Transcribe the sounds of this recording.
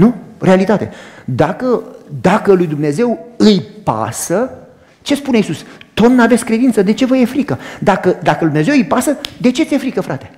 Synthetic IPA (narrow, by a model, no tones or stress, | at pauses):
nure̞alit̪at̪e̞̰d̪akəd̪akəlujd̪umne̞ze̞wɨjpa̰sə | t͡ʃe̞spune̞isust̪o̞t̪nave̞t̪sʲkɾe̞d̪int̪səd̪e̞t͡ʃe̞vəje̞fɾikəd̪akəd̪akəlujd̪mneze̞wɨjpasəd̪e̞t͡ʃe̞t̪sʲje̞fɾikəfɾat̪e̞̥